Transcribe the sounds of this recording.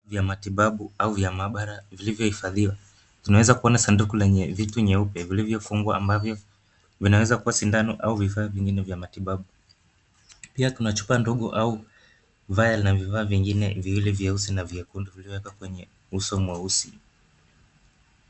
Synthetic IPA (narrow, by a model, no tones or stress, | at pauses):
vjamatiɓaɓuauvjamaɓaɾavilivjɔhifaðiwa | tinawɛzakuɔnasandukulɛɲɛvituɲɛupɛvilivjɔfuŋɡwaːmbavjɔ | vinawɛzakuwasindanɔʔauvifaːviŋɡinɛvjamatiɓaɓu | piatunat͡ʃu̥pandɔɠɔʔau | vajalnavifaːviŋɡinɛ̰viwilivjɛusinaviɛkundivilivɔwɛkakwɛɲɛ | usɔmwɛusi